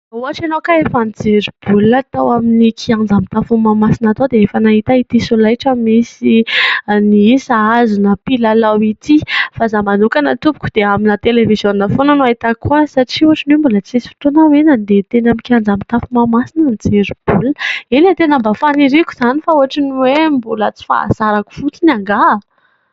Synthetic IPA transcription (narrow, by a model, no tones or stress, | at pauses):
uaʈ͡ʂanokaefand͡zeɾib̥ulət̪awaminikʰiand͡zamit̪afumamasinat̪od̪eefənaɦit̪ait̪isolajʈ͡ʂəmisi | niisaazunəpilalawit̪ifazamanukanat̪ubu̥kʲud̪̥eaminət̪elevizjonəfonanoaɦit̪akuəsaʈ͡ʂiuaʈ͡ʂinembulət͡sesi̥fi̥t̪onawenənd̪et̪enamikʲand͡zamit̪afumamasinənt͡seɾib̥ulenet̪enəmbafaniɾikʲu̥z̥anifauaʈ͡ʂiniwembulət͡si̥fa̰a̰zaɾaku̥fut͡sinaŋɡa